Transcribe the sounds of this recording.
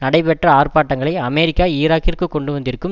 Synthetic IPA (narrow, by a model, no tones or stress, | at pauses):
nɐɽɐɪpɛʈrɐaːrpaːʈːɐŋɡɐɭɐɪɐmeːɾɪkːaːiːɾaːkːɪrkɯkːɔɳɖɯʋɐnd̪ɪɾɯkːɯm